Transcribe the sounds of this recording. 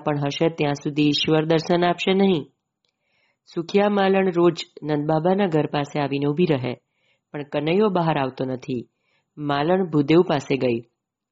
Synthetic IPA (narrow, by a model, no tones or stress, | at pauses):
pəɳɦəʃet̪jãsud̪ʱiːʃʋəɾd̪əɾʃənapʃenəɦĩ | sʊkʰjamaləɳɾod͡ʒnənd̪̚babanaɡʱəɾpaseaʋineubʱiɾəɦḛ | pəɳkənəjobaɦaɾaʋt̪onət̪ʰi | maləɳbʱud̪eʋpaseɡəi